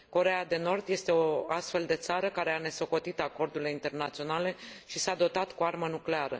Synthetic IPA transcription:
ko̞ɾe̞jad̪e̞no̞rd̪je̞st̪e̞o̞ast̪fe̞ld̪e̞t̪saɾəkaɾe̞ane̞so̞ko̞t̪it̪ako̞rd̪uɾileint̪e̞rnat̪sio̞nale̞ʃisad̪o̞t̪at̪kuarmənukle̞aɾə̰

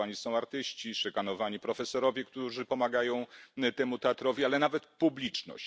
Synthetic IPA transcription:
aɲisɔ̃w̃aɾt̪ɘɕt͡ɕiʂɛkanɔvaɲipɾɔfɛsɔɾɔvʲjɛkt̪uʐɘpɔmaɡajɔ̃w̃t̪ɛmut̪ɛat̪ɾɔvʲialɛnavɛt̪publʲit͡ʂnɔ̰ɕ

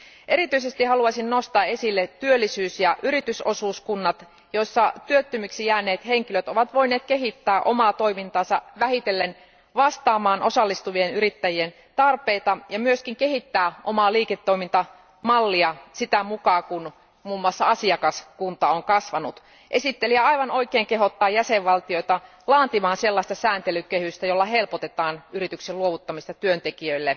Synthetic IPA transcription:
ʔe̞ɾit̪yise̞st̪ihɑluɑsinno̞st̪ɑːe̞silːett̪yølːisyːsjɑʔyɾit̪yso̞suːskunːɑt̪ | joisːɑt̪yøt̪ːymyksijæːneːt̪he̞ŋkiløt̪o̞ʋɑt̪ʋo̞jneːt̪̚keɦit̪ːæːʔo̞̰mɑːt̪oimint̪ɑːnsɑʋæɦhit̪e̞lːen | ʋɑst̪ɑːmɑːnʔo̞sɑlːist̪uʋienyɾit̪ːæjien | t̪ɑrpe̞ːt̪ɑjɑmyøsk̟iŋke̞ɦit̪ːæːʔomɑːliːket̪ːoimint̪ɑ | mɑlːiɑsit̪æmukɑːkun | muːmːuɑsːɑɑsiɑkɑskunt̪ɑoŋkɑsʋɑnut̪ | ʔesit̪ːeliæɑiʋɑnoikeːŋkeɦot̪ːɑːjæseʋʋɑlt̪ioit̪ɑ | lɑːnt̪imɑːnselːɑˑst̪ɑsæːnt̪elykːehyst̪æjolːɑhelpot̪et̪ɑːnyrit̪ykselluoʋut̪ːɑmist̪ɑt̪yønt̪ekiøilːe

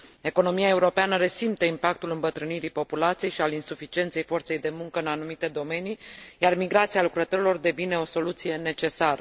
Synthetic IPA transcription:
e̞ko̞no̞miae̞uɾo̞peanəɾe̞simt̪əimpak̚t̪ulɨmbət̪ɾɨniɾipo̞pulat̪sije̞jʃialinsufit͡ʃie̞nt̪se̞jfo̞rt̪se̞jd̪e̞muŋkəɨnanumit̪e̞d̪o̞me̞nijarmiɡɾat̪sijalukɾət̪o̞ɾilo̞rd̪e̞vine̞o̞so̞lut̪sije̞ne̞t͡ʃe̞saɾə

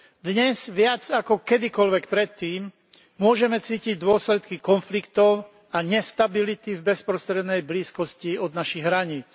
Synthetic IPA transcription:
d̪ɲɛz̥ʋɪad͡zakɔkɛd̪ikɔlʋɛkpɾɛt̪ːiːm | mʊɔʒɛmɛt͡siːciɟd̪ʊɔslɛt̪kikɔnflikt̪ɔʊ | aɲɛst̪abilit̪ivbɛspɾɔst̪ɾɛd̪nɛjbliːskɔsciɔd̪naʃiɣɦɾaɲiːt͡s

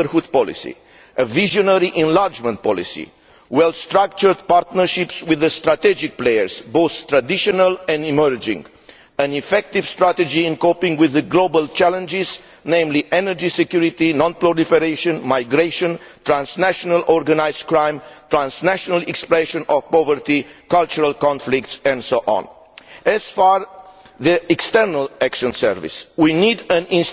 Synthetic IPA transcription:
əɾhud̪̚pɔlḭsḭ | ʔəviʒonəɾiʔɛ̃nlaɾd͡ʒmə̃nt̪̚pɔ̰lḭsḭ | wɛlst̪ɹak̚t͡ʃəɾd̪paɾt̪nəɾʃipswiðəst̪ɾat̪ɛd͡ʒik̚plejəɾsboθt̪ɾad̪iʃɔnəlɛ̃nd̪iməɹd͡ʒḭ̃ŋɡ | ə̃nifɛk̚t̪ivst̪ɾat̪ed͡ʒĩːnkopĩŋɡwiðəɡlobəlt͡ʃælə̃nd͡ʒiz | nẽɪ̃mliʔɛnəɹd͡ʒisekjuɾit̪inɔ̃npluɾifɛɾeʃɔ̃nmaɪɡɹeʃə̃n | t̪ɹãnsnæʃɔnalɔɹɡanaɪz̥̚kɹãɪ̃mt̪ɹãnsnæʃɔnalɛkspɹɛʃɔ̃nɔvpɔvəɹt̪ikalt͡ʃuɹalkɔ̃nflɪktsɛ̃ndsoʔɔ̰̃n | ɛz̥faɹðiɛkst̪əɾnalækʃɔ̃nsɛ̰ɹvḭswinid̪ə̃nĩns

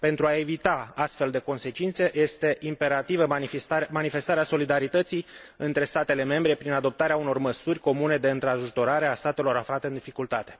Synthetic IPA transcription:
pe̞nt̪ɾuae̞vit̪aast̪fe̞ld̪e̞ko̞nse̞t͡ʃint̪se̞ʔje̞st̪e̞ʔimpe̞ɾat̪ivəmanife̞st̪aɾeaso̞lid̪aɾit̪ət̪sijɨnt̪ɾe̞st̪at̪e̞le̞me̞mbɾe̞pɾinad̪o̞p̚t̪aɾeauno̞rməsurʲko̞mune̞d̪e̞ɨnt̪ɾaʒut̪o̞ɾaɾe̞ast̪at̪e̞lo̞ɾaflat̪e̞ɨnd̪ifikult̪at̪e̞̥

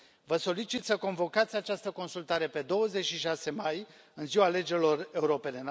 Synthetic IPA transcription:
vəso̞lit͡ʃit̪səko̞nvo̞kat̪sʲat͡ʃast̪əko̞nsult̪aɾe̞pe̞d̪o̞wəzet͡ʃʃiʃase̞maj | ɨnziwale̞d͡ʒelo̞re̞uɾo̞pe̞ne̞n

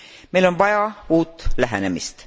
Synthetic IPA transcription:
mejlo̞nvɑjɑuːt̪ːlæɦænemḭst̪

